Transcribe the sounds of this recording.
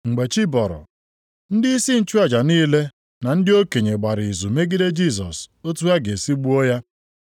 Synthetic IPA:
ŋ͡m̩˨ɡ͡be˨t͡ʃi˦bɔ˨ɾʊ̰˨ | n̩˦dɪ˦i˦si˦n̩˦t͡ʃu˦a˨d͡ʒa˨niː˦le˦ | na˨n̩˦dɪ˦o˦ke˨ɲe˨ɡ͡ba˨ɾi˨zu˨me˦ɡi˦de˦d͡ʒi˦˨s̬ɔ˨so˦tu˦a˦ɡe˨si˦ɡ͡bu˦o˦ja˦

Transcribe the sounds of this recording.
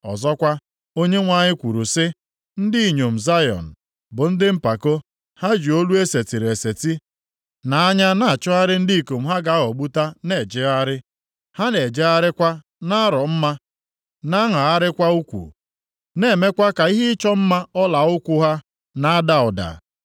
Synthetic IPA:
ɔ̰˨zɔ˦kʷa˦ | o˦ɲe˦ŋʷa˨ɲɪ˦kʷu˨ɾu˨sɪ˦ | n̩˦di˦i˨ɲo˨m̩˨za˦jɔ̰˨n̩˨ | bʊ˨n̩˦dɪ˦m̩˦pa˨ko˦ | ha˦d͡ʒi˨o˦lu˦e˦se˨ti˨ɾe˨se˨ti˦ | na˨a˦ɲa˦na˦˨a˨t͡ʃʊ˦a˦ɾɪ˦n̩˦di˦i˨ko˨m̩˦˨ɦa˦ɡa˨˦ɦɔ˨ɡ͡bu˦ta˦ne˨d͡ʒe˦a˦ɾɪ˦ | ha˦ne˨d͡ʒe˦a˦ɾɪ˦kʷa˦ | na˦ɾɔ˨m̩˦ma˦ | na˦ŋa˨a˦ɾɪ˦kʷa˦u˦kʷṵ˨ | ne˦˨me˦kʷa˦ka˨i˦ɦɪ˦t͡ʃɔ˦m̩˦ma˦ɔ˦la˨ʊ˦kʷʊ˦ɦa˦ | na˨˦a˦da˨ɔ˨da̰˨

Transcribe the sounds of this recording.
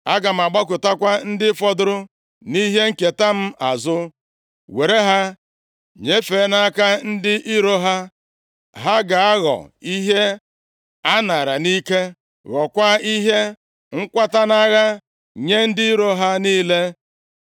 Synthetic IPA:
a̰˦ɡa˨m̩˨a˨ɡ͡ba˦k̬ʊ˨ta˦kʷa˦n̩˦dɪ˦fɔ˦dʊ˦ɾʊ˦ | ni˦ɦe˦ŋ̩˦ke˨ta˦m̩˦a˨zʊ˦ | we˨ɾe˦ɦa˦ | ɲe˦fe˨˦na˦ka˦n̩˦dɪ˦ʔi˦ɾo˦ɦa˦ | ɦa˦ɡa˨a˦ɣɔ̰˨i˦ɦe˦ | a˦na˨ɾa˨ni˦ke˦ | ɣɔ˨kʷa˦i˦ɦe˦ | ŋ̩˦kʷa˦ta˦na˦ɣa˦ | ɲe˦n̩˦dɪ˦i˦ɾo˦ɦa˦niː˦le˦

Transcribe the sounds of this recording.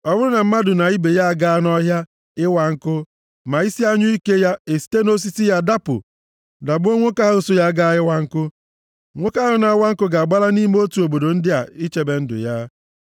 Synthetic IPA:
ɔ˦bʊ˦ɾʊ˦na˨m̩˦ma˦dʊ˨na˨i˦be˨ja˦a˨ɡa˦nɔ˦ɦja˦ | ɪ˦wa˨ŋ̩˦kʊ˦ | ma˨i˦si˦a˦ɲʊ˦i˦ke˦ja˦e˨si̥˦te˦no˦s̬i˦si˦ja˦da˦pʊ̰˨ | da˨bʊ˦o˦ŋʷo˦ka˦ɦo˦so˦ja˦ɡa˦ɪ˦wa˦ŋ̩˦kʊ˦ | ŋʷo˦ka˦ʊ˦na˨a˦wa˦ŋ̩˦kʊ˦ɡa˨a˨ɡ͡ba˦la˦ni˦m˦o˦tu˨o˨bo˨do˨n̩˦dɪ˦a̰˨i˦t͡ʃe˦be˨n̩˦dʊ̰˨ja˦

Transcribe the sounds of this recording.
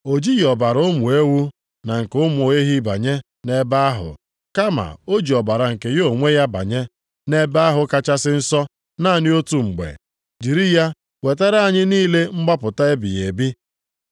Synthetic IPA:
o˨d͡ʒi˦jɔ˨ba˨ɾo˦mu˨e˦wu˦ | na˨ŋ̩˨kʊ˦mʊ˨o˨e˦ɦi˦ba̰˨ɲe˦ | ne˦ba˦a˦ɦʊ̰˨ | ka˦ma̰˨o˦d͡ʒi˨ɔ˨ba˨ɾa˨ŋ̩˨ke˨jo˦˨ŋʷe˦ja˦ba̰˨ɲe˦ | ne˦ba˦a˦ɦʊ˦ka˦t͡ʃa˦sɪ˦n̩˦sɔ˦ | na˦˨nɪ˦o˦tu˨ŋ͡m̩˨ɡ͡bḛ˨ | d͡ʒi˨ɾi˦ja˦ | we˨te˦ɾa˦ɲɪ˦niː˦le˦ŋ͡m̩˦ɡ͡ba˦pʊ˨ta˦e˦bi˨je˨bi˦

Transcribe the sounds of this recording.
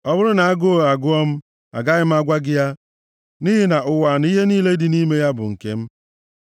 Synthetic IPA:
ɔ˦bʊ˦ɾʊ˦na˨a˦ɡo˦o˦˨a˨ɡʊ˦ɔ˦m̩˦ | a̰˨ɡa˦ɣɪ˦m̩˦a˦ɡʷa˦ɡɪ˦ja˦ | ni˦ɦi˦na˨ʔʊ˨wa˨n˦i˦ɦe˦niː˦le˦di˨ni˦me˦ja˦bʊ̰˨ŋ̩˨kḛ˦m̩˦

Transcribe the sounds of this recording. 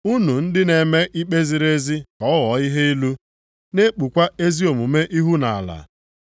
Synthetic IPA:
u˦nu˨n̩˦dɪ˦ne˨me˦ʔi˦k͡pe˦zi˨ɾe˦zi˦kɔ˨˦wɔ˨˦i˦ɦe˦i˦lu˦ | ne˦k͡pu˨kʷa˦e˦zi˦o˨mu˨me˦ʔi˦ɦu˦na˨a̰˨la̰˨

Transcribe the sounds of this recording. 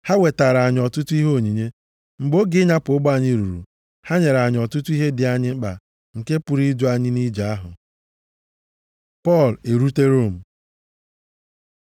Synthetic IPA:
ha˦we˨ta˨ɾa˨ɲ˨ɔ˨tʊ˦tʊ˦i˦ɦo˦˨ɲi˨ɲe˦ | ŋ͡m̩˨ɡ͡bo˦ɡɪ˦ɲa˦pʊ˨˦ɡ͡ba˦˨ɲɪ˦ɾu˨ɾṵ˨ | ha˦ɲe˨ɾa˨ɲ˨ɔ˨tʊ˦tu˦i˦ɦe˦dɪ˨a˨ɲɪ˦k͡pa̰˨ | ŋ̩˨ke˦pu˨ɾi˦du˦a˨ɲɪ˦ni˦d͡ʒa˨a˦ɦʊ̰˨ | pɔ˦˨le˨ɾu˦te˦ɾo˦˨m̩˨

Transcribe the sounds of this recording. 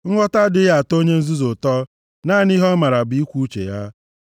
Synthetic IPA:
ŋ̩˦ŋʷɔ˦ta˦dɪ˦ja˨to˦ɲe˦n̩˦zu˦zo˨tɔ˦ | naː˦˨ni˦ɦɔ˦ma˨ɾa˨bʊ˨i˦kʷu˦u˦t͡ʃḛ˨ja˦

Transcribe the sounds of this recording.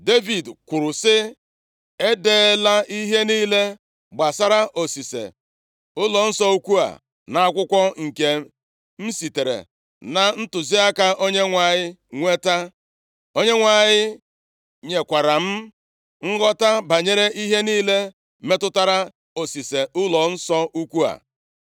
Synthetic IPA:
de˦vi˨dkʷʊ˨ɾʊ˨sɪ˦ | e˦deː˦la˦ʔi˦ɦe˦niː˦le˦ | ɡ͡ba˨sa˦ɾa˦ʔo˨si˨sḛ˨ | ʊ˦lɔ˨n̩˦sɔ˦u˦kʷu˦a̰˨ | na˨a˦˨kʷʊ˦kʷɔ˦ŋ̩˨ke˨ | m̩˦si˨te˨ɾḛ˨ | na˨n̩˦tʊ˨zi˦a˦ka˦ʔo˦ɲe˦ŋʷa˨ɲɪ˦ŋʷe˦ta˦ | o˦ɲe˦ŋʷa˨ɲɪ˦ | ɲe˨kʷa˨ɾa˨m̩˦ | ŋ̩˦ɡɔ˦ta˦ba˨ɲe˦ɾe˦i˦ɦe˦niː˦le˦ | me˦tʊ˦ta˦ɾa˦ | o˨si˨se˨ʊ˦lɔ˨n̩˦sɔ˦u˦kʷu˦a̰˨

